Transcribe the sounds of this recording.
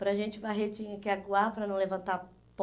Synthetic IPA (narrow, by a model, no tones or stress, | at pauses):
pɾɐʒẽnt͡ʃɪvajɦet͡ʃĩɲɐkɪaɡuapɾɐnɐ̃w̃levɐ̃nt̪a | p